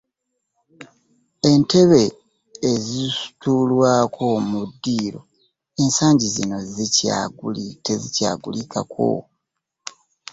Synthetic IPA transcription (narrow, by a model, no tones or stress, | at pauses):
e̞nte̞βe̞ː | zisu̥tulwaːkʰo̞mudːiːɾo̞ | e̞nsaːɲɟizino̞zica̰ɡulitezica̰ːɡulikʰa̰kʰo̰